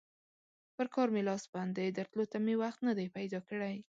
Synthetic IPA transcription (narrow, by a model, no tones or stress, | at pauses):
pəɾkɑɾmelɑsband̪ed̪əɾt̪lot̪amewaxt̪nad̪ajpajd̪ɑkəɽaj